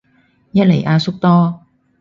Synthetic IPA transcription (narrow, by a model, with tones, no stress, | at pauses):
jɐ˥t̚le˨˩jʔaː˧sʊ˥k̚t̪ɔː˥